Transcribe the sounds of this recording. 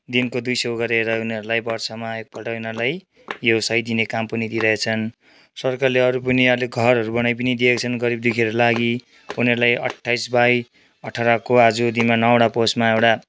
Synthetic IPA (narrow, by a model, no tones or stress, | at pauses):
d̪inkod̪ujsʌwɡʌɾeɾʌuneʌɾulajbʌrsʰʌmaek̚pʌlʈaunʌlaj | josʌjd̪inekampʌnid̪iɾʌɦet͡sʰʌn | sʌrkarleʌɾupʌnialeɡʱʌɾʌɾubʌñajp̬ʌnid̪iekt͡sʰʌnɡʌɾib̚d̪ekʰiʌɾulaɡi | uneʌɾulajʌ̰ʈʰːajsbaj | ʌʈʰaɾʌkoad͡zud̪inmanʌwɽaposmaewʈa